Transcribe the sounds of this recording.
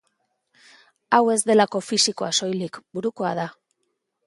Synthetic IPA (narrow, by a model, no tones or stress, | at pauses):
awe̞zd̪e̞lako̞fisiko̞aso̞jlikbuɾuko̞a̰ð̞a